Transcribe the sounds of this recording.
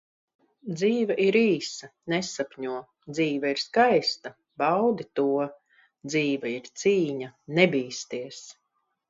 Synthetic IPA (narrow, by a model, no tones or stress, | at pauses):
d̪ziːvaʔiɾiːsɐnɛsapʲɲuɔ | d̪ziːvaiɾskajst̪ɐ | bawd̪it̪uɔ | d̪ziːvaiɾt̪siːɲanɛbiːst̪iɛs